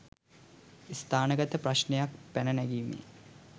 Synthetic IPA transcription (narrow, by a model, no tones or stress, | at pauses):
ist̪ʰaːnəɡɐt̪əprɐɕnejak̚pænɐnæɡimḭ